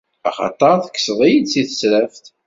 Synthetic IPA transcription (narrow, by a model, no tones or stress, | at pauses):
æχɑ̰t̪ˤɑɾˤθə̥kːə̥sðˤijid̪siθə̥sɾæft̪